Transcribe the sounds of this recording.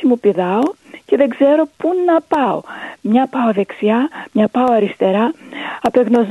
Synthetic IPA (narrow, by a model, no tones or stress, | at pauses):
imupiðɐo̞ce̞ðe̞ɡzeɾo̞punɐpɐo̰mɲɐpɐo̞ðe̞ksiɐmɲɐpɐo̞ɐɾist̪e̞ɾɐɐpeɣno̞z